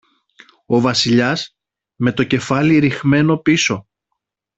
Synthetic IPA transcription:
o̞vɐsiʎɐs | me̞t̪o̞ce̞fɐliɾixme̞no̞piso̞

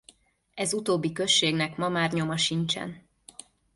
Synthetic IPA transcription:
ɛzut̪oːbːikø̞ʃːeːɡnɛkmɒmaːrɲo̞mɒʃint͡ʃɛ̰n

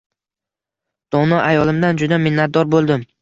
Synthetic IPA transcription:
d̪̥ɒnɒʔajɒlˠɪmd̪and͡ʒʊd̪amɪnːat̪̚d̪ɒɾbolˠd̪ɪm

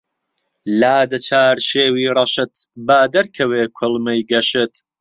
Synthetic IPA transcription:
laːd̪ɐt͡ʃʰaːɾʃeːwiːrˤɐʃɨt̪baːd̪ɐɾkʰɐweːkʰolmɐjɡɐʃɨt̪

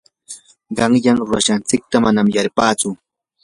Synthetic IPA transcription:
ɢɑŋjaŋɾʊɾaʃant͡sɪk̚t̪amanamjaɾpaːt͡sʊ

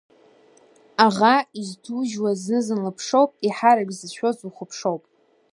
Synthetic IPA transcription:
aʁaiztʰuʒwaznɨzɨnlɨpʰʂo̞wpʼiħaɾɨɡʲʼzɨʃʷᶣo̞zʼuχəpʰʂo̞wpʼ

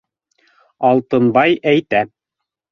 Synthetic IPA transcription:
ɑlˠt̪ɤ̆nbɑjæjt̪æ

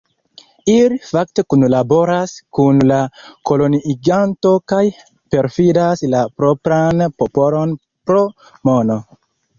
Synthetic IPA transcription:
ilifakte̞kunlabo̞ɾaskunlako̞lo̞niɡanto̞kaj | pe̞ɾfidaslapɾo̞pɾanpopo̞lo̞n | pɾo̞ | mo̞no̞

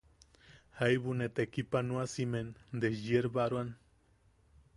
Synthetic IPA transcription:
hajβunet̪ekipanuasimend̪esjeɾbaɾwan

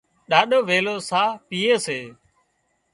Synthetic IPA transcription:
ɗaːɗoːʋeːloːsãːpiːeːseː

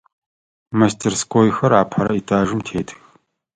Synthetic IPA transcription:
mastʰerskʰʼoːjxɐɾaːpʰħɐɾɐitʰʼaːʒɨmtʰeːtʰx

